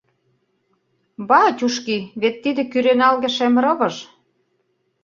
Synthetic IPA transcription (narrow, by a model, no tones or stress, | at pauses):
bɑtʲuʃkiβet̪ːid̪ĕkyɾenɑlɣĕʃemɾɤ̆βɤ̆ʒ